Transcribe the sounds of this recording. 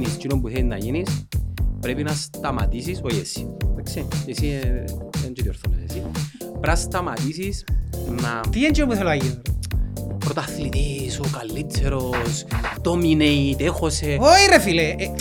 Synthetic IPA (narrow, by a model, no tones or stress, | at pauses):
nist͡ʃinompuθenːa̰ʝinispɾepinɐst̪ama̰t̪isisojesi̥ | esi | ent͡ʃot̪ioɾθonosesipɾast̪amat̪isisnat̪ient͡ʃinompuθeloajin | pɾot̪aθlit̪isokalːit͡sʰːeɾost̪omineit̪exoseojrefile